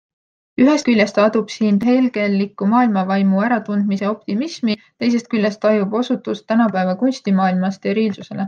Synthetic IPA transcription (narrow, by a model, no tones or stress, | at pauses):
yɦe̞st̪kylʲjest̪ɑd̪̥ub̥siːnɦe̞lɡ̥e̞lːikːˑumɑːilmɑvɑjmuæɾɑt̪und̪̥mise̞o̞p̚t̪imismit̪e̞js̬e̞st̪kylʲjest̪ːɑjubo̞sut̪ːˑust̪ːænɑpæevɑkunʲsʲt̪imɑːilmɑst̪e̞ɾiːlsuse̞le̞